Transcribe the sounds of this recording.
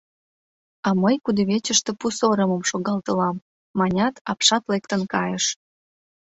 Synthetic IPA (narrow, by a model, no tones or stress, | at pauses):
ɑməjkud̪əβet͡ɕəʃt̪epusoɾə̆mə̆mʃoɣɑlt̪ə̆lɑmː | ɑnʲɑt̪ɑpʃɑt̪lek̚t̪ənkɑjəʃ